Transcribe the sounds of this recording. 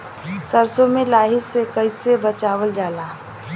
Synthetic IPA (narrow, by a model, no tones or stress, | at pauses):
səɾsõmẽlaːɦisekəɪsebət͡ʃaːwəld͡ʒaːlaː